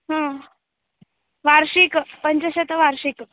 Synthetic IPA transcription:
ɦã | ʋaɾɕikpəɲt͡ɕəɕet̪əʋaɾɕik

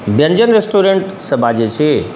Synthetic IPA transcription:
bjɐ̃ɲd͡ʑənɾesʈoɾẽɳʈsɐbʱad͡ʑet͡ʃʰe

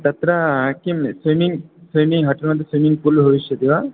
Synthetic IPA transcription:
t̪ɐt̪ɾɐɦakimsimiŋsijmiɦɐʈɐɾmɐd̪ʱːesimiŋpulbʱɐʋiʃjɐd̪iʋa

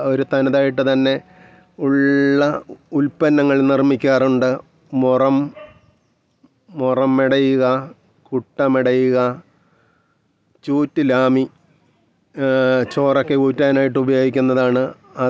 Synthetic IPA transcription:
o̞ɾut̪ɐnɐðaːjiʈːɨt̪ɐnːe̞ | uɭːɐulpɐnːɐŋːɐɭnirmikʲːaːruɳɖɨ | murɐm | urɐmːeɽɐjuɣɐ | kuʈːɐmeɽɐjuɣɐ | t͡ɕuːtːɨlaːmi | t͡ɕo̞ːrokːe̞kuːtːaːnaːjiʈ̬ːɨubɐjo̞ːɡikʲːunːɐðaːɳɨ | ɐ

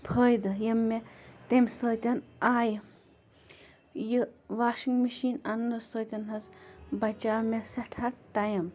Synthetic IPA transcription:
pʰəːjd̪ɨjɐmːet̪emsəːt̪ʲɐnaːj | jɨʋaːʃiŋmiʃiːnɐnːɐsəːt̪ʲɐnɦɐzbɐt͡ʃaːmesɐʈʰɐɾtɐjɐm

